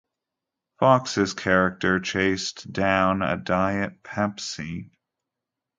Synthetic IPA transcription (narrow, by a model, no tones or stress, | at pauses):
fɑksɨz̥kʰɛɹɨk̚tə˞t͡ʃʰeɪsd̥ãʊ̃nə̰daɪɨt̚pʰæpsi